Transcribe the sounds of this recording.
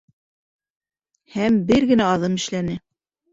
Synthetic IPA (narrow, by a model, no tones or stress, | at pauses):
hæmbɘɾɡɘ̆næɑðɤmɘ̆ʃlænɘ